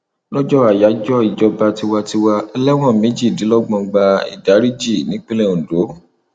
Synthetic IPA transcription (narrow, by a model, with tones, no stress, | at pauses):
lɔ˦d͡ʒɔ˦a˨ja˨˦d͡ʒɔ˦i˨d͡ʒɔ˧ba˧ti˧wa˧ti˧wa˧ɛ˧lɛ˦w̃ɔ̃˦˨me˨˦d͡ʒi˦˨di˨˦lɔ˦ɡ͡bɔ̃˧ɡ͡ba˧ḭ˨da˨˦ɾi˦d͡ʒi˦˨nĩ˨˦k͡pi˦lɛ˦˨ũ˨do˨˦